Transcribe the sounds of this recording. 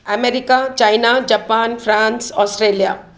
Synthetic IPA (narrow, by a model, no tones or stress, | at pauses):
ameɾikat͡ʃajnad͡ʒapanfʰɾãnsɔsʈɾelija